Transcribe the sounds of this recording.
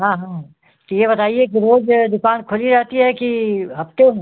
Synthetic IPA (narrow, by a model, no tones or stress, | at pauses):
ɦãːɦãː | t̪ojebɐt̪aːiekiɾoːd͡ʒd̪ʊkaːnkʰʊliɾɛɦt̪iɦɛkiɦɐpt̪eɦɛ̃